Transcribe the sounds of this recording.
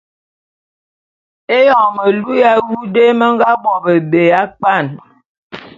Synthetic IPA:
e˦jɔ˨mə˨lu˦ja˦wu˦de˦mə˦ŋ̩˦ɡa˦bɔ˨bə˨be˨a˦k͡pa˦˨n

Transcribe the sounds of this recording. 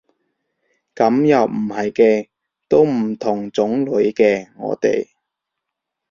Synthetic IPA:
kɐ˨˥mjɐ˨˩wm̩˨˩hɐ˨jkɛː˧ | t̪o˥wm̩˨˩t̪ʰʊ˨˩ŋt͡sʊ˨˥ŋlɵ˨˧˥ɥkɛː˧ŋɔ̰ː˨˧t̪ḛ˨j

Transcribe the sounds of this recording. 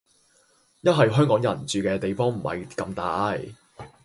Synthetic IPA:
jɐ˥t̚ɦɐ˨jɦœː˥ŋkɔː˨˥ŋjɐ˨˩nt͡syː˨kɛː˧t̪e˨jfɔː˥ŋm̩˨˩hɐ̰˨jkɐ˧mt̪aː˨˥j

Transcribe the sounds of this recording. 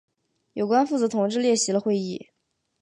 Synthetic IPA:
jo˨˩ʊkwa˥nfu˥˩t͡sɤ˧˥t̪ʰʊ˧˥ŋʈ͡ʂɻ̩˥˧ljɛ˥˩ɕi˧˥lə˧xwe˥˧ɪi˥˩

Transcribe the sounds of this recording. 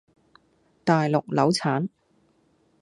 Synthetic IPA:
t̪aː˨jlʊ˨k̚lɐ˨˥wt͡sʰaː˨˥n

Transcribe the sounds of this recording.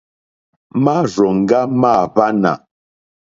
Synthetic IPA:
ma˦˨ɾɔ˨ŋ̩˨ɡa˦ma˦˨ba˦na̰˨

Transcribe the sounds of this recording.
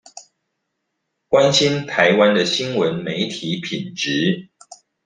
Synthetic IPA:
kwa˦nɕi˦nt̪ʰa˨˦ɪwa˦nd̪ə˨ɕi˦nwə˨˦nme˨˦ɪt̪ʰi˨˦pʰi˨˩nʈ͡ʂɻ̩˨˦

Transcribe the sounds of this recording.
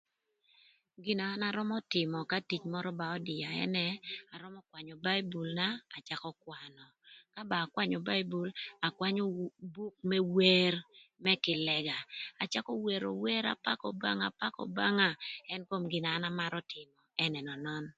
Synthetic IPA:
ɡi˨naː˨˦na˦ɾɔ˦mɔ˦tɪ˨mɔ˨ka˦ti˨t͡ʃmɔ˦ɾɔ˦ba˨ɔ˦dɪ˨a˨ɛ̰˦nɛ˦a˨ɾɔ˦mɔ˦kwa˨ɲɔ˨ba˦i˦bu˨lnaː˦˨t͡ʃa˦kɔ˦kwa˨nɔ˨ka˦baː˨kwa˦ɲɔ˨ba˦i˦bu˨la˨kwa˦ɲɔ˦bu˦k̚mɛ˦we˦rmɛ˦kɪ˨lɛ˨ɡa˨a˨t͡ʃa˦kɔ˦we˨ɾo̰˨we˦ɾa̰˨pa˦kɔ˨ba˦ŋa˨pa˦kɔ̰˨ba˦ŋa˦ɛ˦nko˦mɡɪ˨naː˨˦na˦ma˦ɾɔ˦tʰɪ˨mɔ˨ɛ˦nɛ˨nɔ˨nɔ˦n

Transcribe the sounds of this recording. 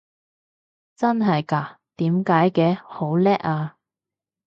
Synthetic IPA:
t͡sɐ˥nɦɐ˨jkaː˧˩ | t̪iː˨˥mkaː˨˥jkɛː˧ho˨˥wlɛː˥ʔ̚aː˧

